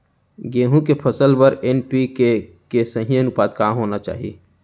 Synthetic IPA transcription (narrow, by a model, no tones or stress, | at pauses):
ɡeɦũkepʰəsəlbəɾenpike | kesə̃ɦĩjənʊpaːd̪̚kãɦonat͡ʃa̰ːɦḭ